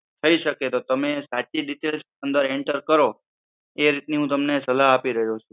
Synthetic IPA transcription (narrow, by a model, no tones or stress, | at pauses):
t̪ʰəiʃəket̪ot̪əmesat͡ʃiɖiʈels | ənd̪əɾeɳʈəɾkəɾo | eɾit̪niɦũt̪əmnesəlaɦapiɾəɦjot͡ʃʰu